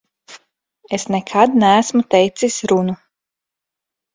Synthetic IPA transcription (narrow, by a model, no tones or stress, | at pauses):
esnɛkʰad̪næːsmut̪ɛjt̪sisɾunu